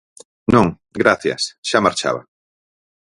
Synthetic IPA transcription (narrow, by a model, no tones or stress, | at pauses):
nõŋ | ɡɾaθja̰sʃamaɾt͡ʃa̰βa̰